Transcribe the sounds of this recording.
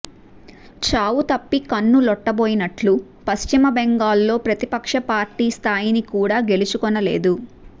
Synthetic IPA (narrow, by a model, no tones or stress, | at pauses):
t͡ʃaːwut̪ɐpːikɐnːulɔʈːɐboːjinɐʈlu | pɐst͡ʃimɐbɛŋɡaːlːo̞ːpɾɐt̪ipɐkʂɐpaːɾʈiːst̪ʰaːjinikuːɽaːɡe̞lut͡ʃukɔnːɐle̞̰ːd̪u